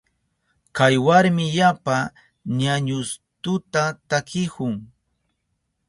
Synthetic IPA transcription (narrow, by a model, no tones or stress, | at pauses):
kajwaɾmɪjapa | ɲaɲʊst̪ʊt̪at̪akɪkʊŋ